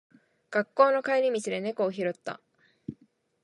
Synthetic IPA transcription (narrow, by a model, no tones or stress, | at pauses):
ɡ̥akːo̞ːno̞kaiɾʲimʲit͡ɕid̪e̞ne̞ko̞ːçiɾo̞t̪ːa̰